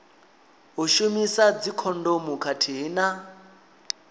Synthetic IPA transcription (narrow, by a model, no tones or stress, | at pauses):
ɦuʃumisad͡zikʰɔndomukʰatʰiɦina